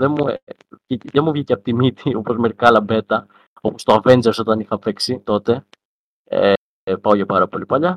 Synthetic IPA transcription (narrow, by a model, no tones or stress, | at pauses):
ðemu | iðemuvʝiceɐpot̪imit̪iopozmeɾikɐlɐbe̞t̪ɐ | o̞post̪oɐve̞nd͡zeɾso̞t̪ɐnixɐpe̞ksit̪o̞t̪e̞ | e | pɐoʝɐpɐɾɐpo̞lipɐʎɐ